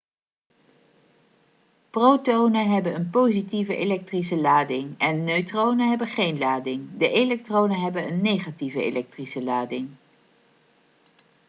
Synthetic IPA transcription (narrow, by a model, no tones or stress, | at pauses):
prowtownəɦɛbənənpowzitivəʔḛlɛk̚trisəlaːdɪŋɛnːøɥtrownəɦɛbənχejnlaːdɪŋdəʔelɛk̚trownəɦɛbənənːejχativəḛlɛk̚trisəlaːdɪŋ